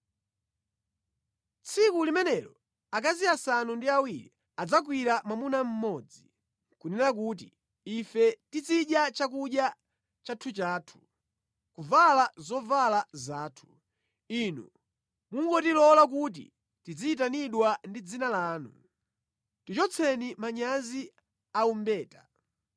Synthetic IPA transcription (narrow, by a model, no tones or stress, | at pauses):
t͡sʰikulimɛnɛlɔ | ak̬aziasanundiawiɾḭ | ad͡zak̬wiɾamamunam̩mɔd͡zi | kunɛɾak̬uːt̬ḭ | ifɛtit͡siɗjat͡ʃakuɗja | t͡ʃatʰut͡ʃaːtʰu̥ | kuvalazɔvalazaːtʰu̥ | inṵ | muŋɡɔtilɔlak̬ut̬ḭ | tid͡ziit̬aniɗwandid͡zinalaːnṵ | tit͡ʃɔt͡sʰɛnimaɲazi | aumbɛːta